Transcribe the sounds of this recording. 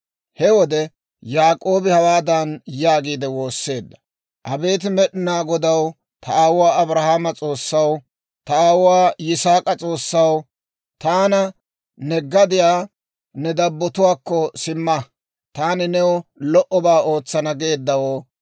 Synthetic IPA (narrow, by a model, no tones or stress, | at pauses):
hɛwɔd̪ɛ | jaːkʼo̞ːbɪhɐwaːd̪ɐnjaːɡiːd̪ɛwo̞ːsːe̞ːd̪ːɐ̥ | ʔɐbe̞ːt̪̬ɪmɛɗɪnaːɡɔd̪ɐw | t̪ʰɐʔaːwʊwaːɐbɾɐhaːmɐt͡sʼo̞ːsːɐw | t̪ɐaːwʊwaːjɪsaːkʼɐt͡sʼo̞ːsːɐw | t̪aːnɐ | nɛɡːɐd̪ɪjaː | nɛd̪ɐbːɔt̪ʊwaːkːɔsɪmːɐ | t̪aːnɪnɛwɔlɔʔɔbaːo̞ːt͡sːɐnɐɡeːd̪ːɐwɔ